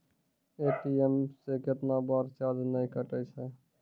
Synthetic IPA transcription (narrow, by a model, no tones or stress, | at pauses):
eːʈiemseket̪nabaːɾt͡ʃaːd̪nəĩkəʈəisɛ